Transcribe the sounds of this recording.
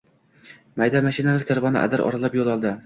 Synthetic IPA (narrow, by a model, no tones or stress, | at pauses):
majd̪amaʃɪnalaɾkʲʰaɾvɒnɪ̰ʔa̰d̪ɪɾʔɒ̰ɾalapjolˠɒlˠd̪ɪ